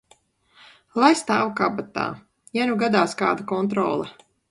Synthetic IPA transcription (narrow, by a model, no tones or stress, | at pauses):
lˠajst̪aːwkabat̪a̰ː | januɡad̪aːska̰ːd̪akɔnt̪̬ɾɔːlˠa